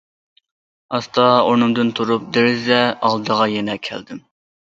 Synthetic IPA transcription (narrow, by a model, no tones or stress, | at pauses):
ɑst̪ɑonɨmd̪ɨnt̪ʰuɾup̚d̪ɪɾɪzɛɑlˠd̪əʁɑjɛnɛkʲʰɛ̰ld̪ɪm